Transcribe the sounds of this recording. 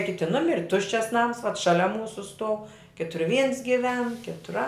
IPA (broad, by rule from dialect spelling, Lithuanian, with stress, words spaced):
ˈkʲɪtʲɪ ˈnʊmʲɪrʲɪ ˈtʊʃʲt͡ʃʲɛs nɐms ʋɐt ʃɐˈlʲɛ ˈmuːsʊ stuɔw ˈkʲɪtʊr ʋʲiːns ɡʲɪˈʋʲɛn ˈkʲɪtʊr ɐ